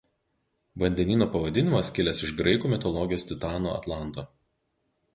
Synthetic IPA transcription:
ʋɐnʲd̪ʲɛnʲiːnoːpɐʋɐd̪ʲɪnʲɪmɐskʲɪlʲɛsɪʃɡɾɐɪkuːmʲɪt̪ɔlˠɔɡʲɪjoːst̪ʲɪt̪ɑːno̰ɐ̰t̪lˠɑnˑt̪oː

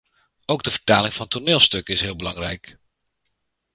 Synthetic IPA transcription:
owɡdəv̥əɹtaːlɪŋvɑntʰoɹnɪːlˠstɵkəɪsɦɪːlˠbəlɑŋrɛjk

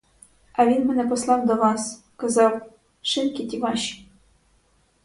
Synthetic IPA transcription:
ɑvʲinmɘ̆nɛpɔslˠɑwd̪ɔʋɑs | kazɑw | ʃɘnkʲit̪ʲivɑɕ

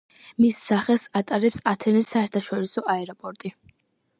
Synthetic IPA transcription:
misːaχɛlˠsat̪ʼaɾɛpsat̪ʰɛnɛsaɛɾt̪ʰaʃɔɾisɔʔaɛɾɔpʼɔɾt̪ʼi

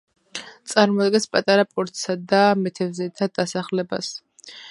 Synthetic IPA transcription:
t̪sʼaɾmɔd̪ɡɛnspʼat̪ʼaɾapʼɔɾt̪ʼsad̪amɛt̪ʰɛvzɛt̪ʰad̪̥asaχlɛba̰s

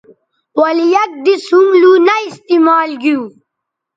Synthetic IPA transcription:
wɐlijɐk̚d̪isumluːnaist̪imaːlɡiu

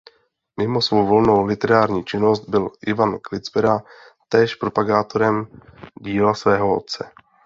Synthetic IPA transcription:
mɪmo̞svo̞wvo̞lno̞wlɪt̪ɛɾaːɾɲiːt͡ʃɪno̞st̪̚bɪlʔɪvanklɪt͡sbɛɾa | t̪ɛːʃpɾo̞paɡaːt̪o̞ɾɛmɟiːlasvɛːɦo̞o̰t̪̚t͡sɛ

